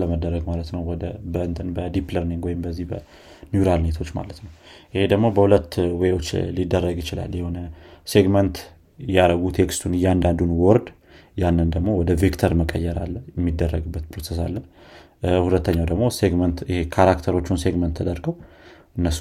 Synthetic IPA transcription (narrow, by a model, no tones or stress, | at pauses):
ləməd̪ːəɾəɡmalət̪nəwwɔd̪əbəɨnt̪ʼɨnbəd̪ipləɾniŋɡwɔjɪmbəzːihbə | njuɾalnet̪ʰo̞t͡ʃːma̰lət̪nəwʔɪhe̞d̪əɡmo̞bəhulət̪ːwewo̞t͡ʃːlid̪ːərːəɡjɪt͡ʃɪla̰lːjɛho̞nəse̞ɡmənt̪ | jaɾəɡut̪ʰekst̪ʰunɨjːɛand̪and̪unwɔɾd̪ | janːɨnd̪əɡmo̞wɔd̪əvikt̪ʰəɾməkʼə̰jːɛɾa̰lːəjɛmːid̪ːərːəɡɨbːət̪pʰɾosesa̰lːə | hulət̪ʰːəɲːawd̪əɡmo̞seɡmənt̪ɪhekʰaɾakt̪ʰəɾo̞t͡ʃːunse̞ɡmənt̪ʰːəd̪əɾɡəw | ʔɨnːəsːu